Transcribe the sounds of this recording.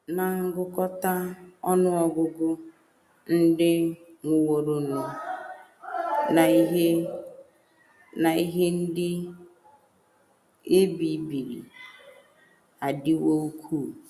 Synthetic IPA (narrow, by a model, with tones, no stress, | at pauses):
na˨ŋ̩˦ɡʊ˦kɔ˦ta˦ɔ˦nʊ˦ɔ˨ɡʊ˦ɡʊ˦ | n̩˦dɪ˦ŋʷʊ˨wo˨ɾo˦nu˨ | na˨i˦ɦe˦ | na˨i˦ɦe˦n̩˦dɪ˦ | e˦bi˨˦bi˨ɾḭ˨ | a˨dɪ˦wo˦u˦kʷʰu˦˨